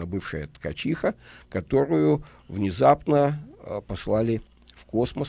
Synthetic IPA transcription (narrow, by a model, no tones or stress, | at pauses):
əbɨfʂəjət̪kɐt͡ɕixəkɐt̪o̞ɾʊjʊ | vnʲɪzapnəpɐslˠalʲɪ | fko̞sməs